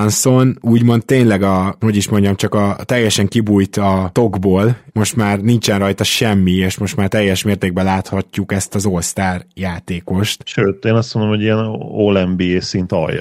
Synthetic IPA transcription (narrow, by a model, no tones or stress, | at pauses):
nsonuːɟmo̞nt̪̚ːeːnlɛɡɒho̞ɟiʃmo̞ɲɟɒmt͡ʃɒkɒt̪ɛjːɛʃɛŋkibuːjt̪ɒt̪o̞ɡboːlmo̞ʃt̪maːrnint͡ʃɛnrɒjt̪ɒʃɛmːieʃmo̞ʃt̪maːrt̪ɛjːɛʃmeːrt̪eːɡ̚bɛlaːt̪hɒcːukɛst̪ɒzo̞lst̪aːrjaːt̪eːko̞ʃt̪ʃøːt̪eːnɒsmond̪olomho̞ɟijɛnoːlɛmbieːsint̪ɒ̰jːɒ̰